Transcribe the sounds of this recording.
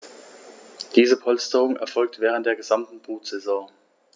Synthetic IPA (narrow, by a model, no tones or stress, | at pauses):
d̥iːzəpʰɔlstəʁʊŋɛ̰ɐfɔlk̚tv̥ɛːʁ̞ənt̚d̥eːɐɡəzamtn̩buːtz̥ɛzɔ̃ː